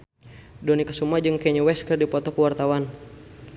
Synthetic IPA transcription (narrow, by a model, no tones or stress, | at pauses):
dɔnikə̥sumad͡ʒɨŋkɛɲwɛskərdipɔt̪ɔkuwart̪awan